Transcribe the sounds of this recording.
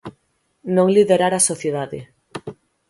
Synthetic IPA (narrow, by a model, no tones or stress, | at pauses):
nõŋliðeɾaɾasoθjeðaðɪ̰